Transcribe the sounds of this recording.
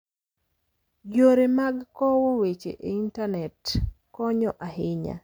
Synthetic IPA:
ɡoɾemaɡkɔwowet͡ʃḛʔeintanɛtkɔɲɔʔahɪɲa̰

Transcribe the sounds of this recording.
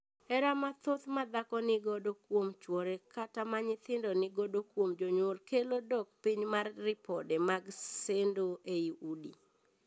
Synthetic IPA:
ɛɾamat̪ot̪mad̪akɔnɪɡodokwomt͡ʃwɔɾekatamaɲɪt̪ɪndɔnɪɡodokwomd͡ʒoɲwolkelodɔk̚piɲmarːɪpɔdɛmaɡsendoʔeiudḭ

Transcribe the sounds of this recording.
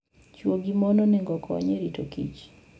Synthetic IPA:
t͡ʃwoɡimɔnɔnɛŋɡɔkʰɔa̰ɲeɾitokḭt͡ʃ

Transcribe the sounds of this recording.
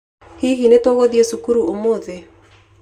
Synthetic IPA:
hiɣinetoɣoðiesukuɾuomoðe

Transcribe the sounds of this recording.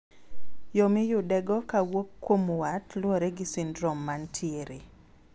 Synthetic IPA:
jomɪjʊdɛɡɔkawokːwomwatlwoɾɛɡɪsindɾɔmːantʰieɾe

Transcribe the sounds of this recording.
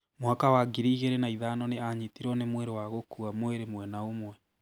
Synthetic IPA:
moakawaɡiɾiɣeɾenaiðaːnɔneaɲitiɾɔnemweɾewaɣokuamoeɾemwɛnaomwɛ

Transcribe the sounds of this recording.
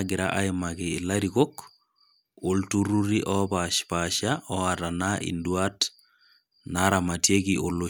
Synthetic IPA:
ɡɪɾa̰ʔaimakiːlaɾikok | oltuɾuɾiʔɔpaʃpaʃaɔatanaʔḭnduat | naɾamatiekiʔolo

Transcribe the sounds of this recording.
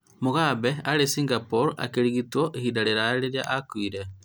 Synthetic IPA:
moɣabɛaɾesiŋɡapoɾa̰keɾiɣitwɔʔehidaɾeɾaɾeɾea̰ʔakwiɾe

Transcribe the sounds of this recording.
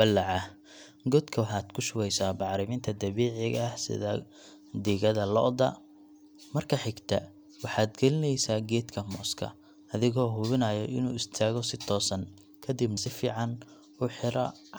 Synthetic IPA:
bɐlːɑʕɑ | ɡɔd̪kʰɐwħɑːd̪kʰʊʃʊwɛjsaːbɑʕɾɪmɪːnt̪ʰɐd̪ɐβɛːʕɪɣhsɪ̰ðɐ | d̪iːɣɐðɐlɔ̰ʔd̪ɐ̰ | mɐrkʰɐħɪɡt̪ʰɐ̰ | wɑħɑːd̪ɡɛlɪnɛjsaːɡɛːd̪kʰɐmɔːskʰɐ̰ | ɐðɪɣɔːɦʊβɪnɐjɔʔɪnuːɪst̪ʰaːɣɔsɪt̪ʰɔːsɐn | kʰɐd̪ɪbmɐsɪfiːʕɑn | ʊħɪɾɐ

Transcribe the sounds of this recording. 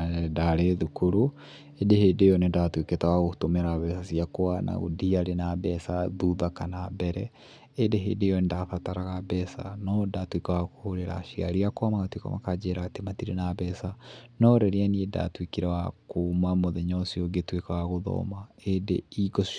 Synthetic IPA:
daɾeðukoɾo | edehedejɔnedatweketawaɣotomeɾaβɛsasiakoana̰ɣo̰diaɾenabɛsaðuðakanabɛɾɛ | edeɦḛdejɔndafataɾaɣabɛsa̰nɔdatwekawakohoɾeɾa̰ʃia̰ɾiakoamakatwika̰ma̰kad͡ʒeɾaɣatematiɾḛnabɛsanɔɾɛɾianieda̰twikiɾawakomamoðɛɲɔsiɔɡetwekawaɣoðɔ̰ːmaedḛiɡo

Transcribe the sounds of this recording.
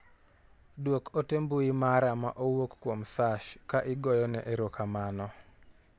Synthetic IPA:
dwokotembuimaɾamaʔowokːkwomsaʃkaʔɪɡɔjɔnɛ̰ʔeɾokamanɔ

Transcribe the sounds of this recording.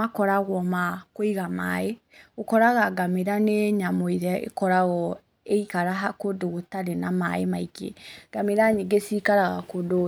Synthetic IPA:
akɔɾaɣwɔmakoiɣama̰e | ɣokɔɾaɣaɡameɾaneɲamoiðɛḛkɔɾaɣɔ | eikaɾaɦakodoɣotaɾenamaemaikḛɡ̥ameɾaɲeɡesikaɾaɣa̰kodo

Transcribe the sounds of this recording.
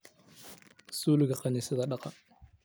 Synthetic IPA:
suːlɪɣɐqɑniːsɪðɐɖɑqɑn

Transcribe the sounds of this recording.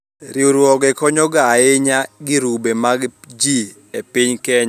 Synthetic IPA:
ɾiuɾwɔɡɛkɔɲɔɡaɪɲaɡɪɾubemaɡ | d͡ʒi | epiɲkɛɲa

